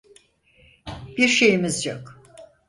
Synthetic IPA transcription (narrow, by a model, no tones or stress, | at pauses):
b̥iɾʃe̞jimizjok